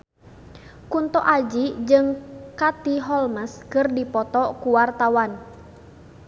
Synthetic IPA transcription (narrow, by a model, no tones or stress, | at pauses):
kunt̪ɔʔad͡ʒid͡ʒɨŋkat̪iɦɔlməskɨrdipɔt̪ɔkuwart̪awan